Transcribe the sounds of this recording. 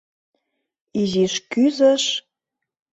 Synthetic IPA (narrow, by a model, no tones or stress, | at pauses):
iziʃkyzəʃ